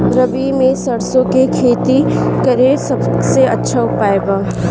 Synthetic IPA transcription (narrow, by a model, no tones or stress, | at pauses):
ɾɐbimẽsɐɾsõkekʰeːt̪ikɐɾesɐbseɐ̰tːʃʰaʊpaːeɡaː